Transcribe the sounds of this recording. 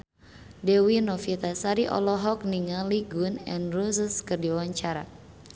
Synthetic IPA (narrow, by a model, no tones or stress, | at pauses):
dɛwinɔfit̪asaɾiʔɔ̰lɔɦɔk̚niŋaliɡunɛ̰nrusəskɨrdiwwaɲt͡ʃaɾa̰